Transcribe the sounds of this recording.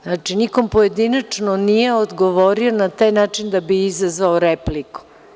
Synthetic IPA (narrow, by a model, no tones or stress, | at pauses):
znat͡ʃiniko̞mpoje̞d̪inat͡ʂnonije̞od̪ɡoʋo̞ɾio̞nat̪aːjnaːt͡ʂind̪abiizazʋaoɾepliku̥